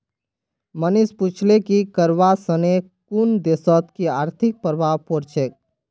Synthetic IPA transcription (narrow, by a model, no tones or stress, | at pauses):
mənisput͡ʃʰlekikəɾʋasəne | kund̪esɔt̪kiaːɾt̪ʰik̚pəɾʋapoɾt͡ʃʰek̚